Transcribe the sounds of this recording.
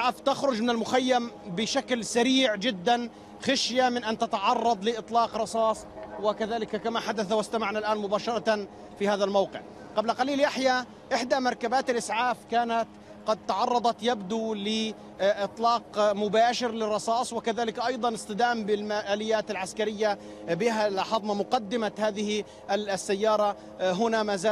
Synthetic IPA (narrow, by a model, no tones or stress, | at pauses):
ʔʕaːft̪axɾʊd͡ʒmɪnɪlmʊxajːambɪʃaklsaɾiːʕd͡ʒɪd̪ːan | xaʃjamɪnʔant̪at̪ɑʕɑrˤːɑd̪ˤlɪʔɨt̪ˤlɑːqɾˤɑsˤɑːsˤwɪkaðaːlɪkakamaħad̪aθawɪst̪amaʕnalʔaːnmʊbaːʃɑɾˤɑt̪ | fihaːðalmawqɪ̰ʕ | qɑblaqaliːljaħja | ʔɪħd̪amɑɾˤkabaːt̪ɪlʔɪsʕaːfkaːnat̪ | qɑd̪̚t̪ɑʕɑrˤːɑd̪ˤɑt̪jabd̪ulɪ | ʔɨt̪ˤlɑːqmʊbaːʃɪɾlɪrˤːɑsˤɑːsˤwɪkaðaːlɪkʔɑjd̪ˤɑnɪst̪ɨd̪aːmbɪlmaʔaːlɪjːaːt̪alʕaskaɾɪjːa | bɪɦalħɑðˤmamʊqɑd̪ːɪmahaːðɪhi | sːajːɑːɾˤɑ | ɦʊnamaːzaː